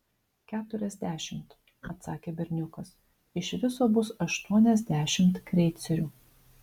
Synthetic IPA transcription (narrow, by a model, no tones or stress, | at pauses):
kʲæːt̪ʊɾʲɛzʲd̪ʲæːʃʲɪmt̪ | ɐt̪sɑːkʲeːbʲɛɾʲnʲʊkɐs | ɪʃʋʲɪsoːbʊsɐʃt̪uɔnʲɛzʲd̪ʲæːʃʲɪmt̪kɾʲɛɪt̪sʲɛɾʲuː